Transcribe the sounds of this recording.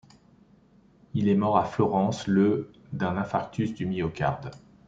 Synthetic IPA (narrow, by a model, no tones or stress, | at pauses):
ilɛmɔʁaflɔʁɑ̃slə | d̪ɛ̃nɛ̃fak̚t̪ysd̪ymiɔkʲa̰ʁd̪